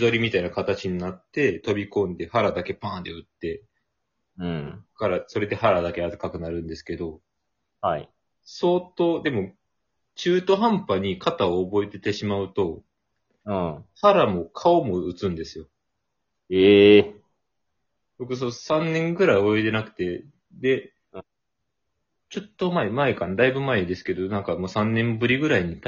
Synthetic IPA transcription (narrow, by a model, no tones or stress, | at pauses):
d̪o̞ɾʲimʲit̪ainakat̪at͡ɕiɲ̟inat̪ːe̞t̪o̞bʲikõ̞nd̪e̞haɾad̪ake̞pãːnd̪e̞ɯ̟t̪ːe̞ | ɯ̃kaɾaso̞ɾe̞d̪e̞ɦaɾad̪akeatɯkakɯ̟naɾɯ̟̃nd̪e̞sɨ̥ke̞d̪o̞ | hai | so̞ːt̪o̞ːd̪e̞mo̞ | t͡ɕɨːt̪o̞ɦãmpaɲ̟ikʰat̪aoːbo̞e̞t̪e̞t̪e̞ɕimaɯ̟t̪o̞ | haɾamo̞kʰao̞mo̞ɯ̟t͡sɨ̃nd̪e̞sɨjo̞ | e | b̥o̞k̬ɯ̟s̬osãnːẽ̞ŋɡɯ̟ɾaiooet̪e̞nakɯ̟̥t̪e̞ | d̪e̞ | t͡ɕo̞t̪ːo̞maemaekãnd̪aibɯ̟maed̪e̞sɨ̥ke̞d̪o̞nãŋkamo̞ːsãnːẽ̞mbɯ̟ɾʲiɡɯ̟ɾaiɲ̟it̪